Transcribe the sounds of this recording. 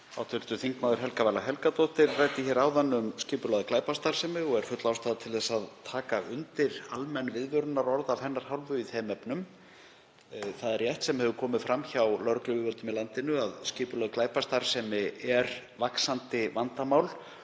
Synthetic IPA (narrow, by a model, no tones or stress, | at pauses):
awt̪ʰʏl̥t̪ʏθiŋkmaːwðʏɾ̥ɦɛlkavajlaɦɛlkat̪ɔht̪ɪɾraːjt̪ɪçɛːɾaːwðanːʏmscɪːpʏlɔðklaːjpast̪aɾ̥sɛmɪɔɣɛɾ̥fʏt̪lawst̪aːðat̪ʰɪlθɛsːaðt̪ʰaːkaʔʏnt̪ɪɾalmɛnːvɪðvʏɾʏnːaɾɔɾðavhɛnːaɾ̥hawlvʏiθɛːmɛpnʏm | θaðɛɾjɛjht̪sɛmhɛvʏkʰɔːmɪðfɾamçawlœɾklʏvʏvœlt̪ʏmilant̪ɪnʏaðscɪːpʏlɔðklaːjpast̪aɾ̥sɛmɪɛɾ | vaksant̪ɪvant̪amaːwl